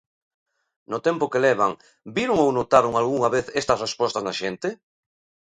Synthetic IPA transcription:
nʊt̪ɛmpʊkelɛβ̞aŋ | biɾʊŋownot̪aɾoŋalɣuŋaβeθɛst̪ɐsrespɔst̪aznaʃent̪ɪ

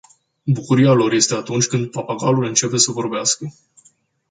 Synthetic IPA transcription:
bukuɾijalo̞rje̞st̪e̞at̪unt͡ʃʲkɨnd̪̚papaɡalulɨnt͡ʃe̞pe̞səvo̞rbeaskə

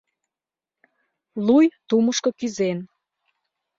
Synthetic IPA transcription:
lujt̪uməʃkokyzen

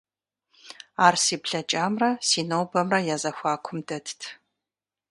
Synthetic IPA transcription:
aːrsiːpɬɐt͡ʃʼaːmrɐsiːnowbɐmrɐjaːzɐxʷaːkʷʰʊmdɐtʰtʰ

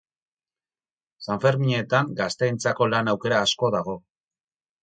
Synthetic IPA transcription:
saɱfe̞ɾmiɲet̪aŋɡast̪e̞jnt͡sako̞lanawke̞ɾaːsko̞ðaɣ̞o̞

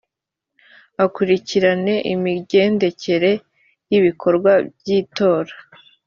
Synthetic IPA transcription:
akuɾiciɾane̞ʔimiɟe̞ːnde̞ce̞ɾe̞ | jiβikʰo̞ɾɡwabjiːto̞ːɾḁ

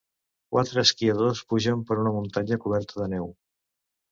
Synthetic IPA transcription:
kwʔat̪ɾəːskiəðospuʒəmpəɾunəmunt̪aɲəkuβ̞ɛɾt̪əðənɛw

